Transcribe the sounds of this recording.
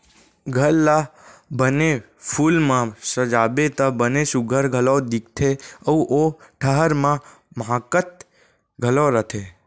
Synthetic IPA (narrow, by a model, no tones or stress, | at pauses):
ɡʱəlːabəne | fʰulmãsəd͡ʒabet̪əbənesuɡʱəɾɡʱəlod̪ik̚t̪ʰeəũʔoʈʰəɦəɾmã | mãkət̪̚ | ɡʱəloɾət̪ʰe